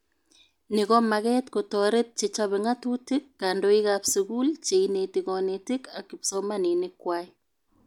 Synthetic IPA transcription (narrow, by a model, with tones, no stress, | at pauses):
nɪ˨ɣɔ˦ma˨ɣɛ˦tko˨tɔ˨ɾe˦t̚t͡ʃe˨t͡ʃaβe˨ŋa˦tu˦tɪ˦kːa˨ndo˦i˦kapsiku˦lt͡ʃe˨ine˨tikɔneti˦ka˨kːi˨psoma˦ni˨nɪ˦kwai